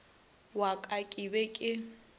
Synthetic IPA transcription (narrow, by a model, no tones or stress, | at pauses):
wakʼakʼibɛkʼɪ